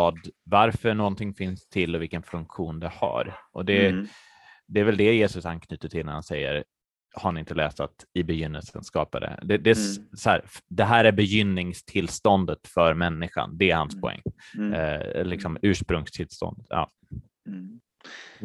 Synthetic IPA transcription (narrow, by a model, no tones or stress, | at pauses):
ɑːd̪vaɾfœɳɔnt̪ʰɪŋːfɪnst̪ʰɪlːɔvɪlkənfɵŋkɧuːnd̪ɛha̰ɾʔɔd̪ɛ | d̪ɛæɾvɛld̪ɛjeːsɵsankʰnyːt̪əʈʰɪlnæɾhansɛjːə̰ɾ | haɾhanɪnt̪əlɛːst̪at̪ɪbɛjʏnːə̰lsə̰nskɑːpad̪ɛ̰d̪ɛd̪ɛsɔhæ̰ːɾfd̪ɛɦæːɾæɾbɛjʏnːɪŋst̪ʰɪlst̪ɔnd̪ət̪fœɾmɛnːɪɧa̰nd̪ɛæɾha̰nspʰɔɛ̰ŋː | lɪksɔmʉ̟ːʂpɾɵŋst̪ʰɪlst̪ɔ̰nd̪ət̪jɑ̰ː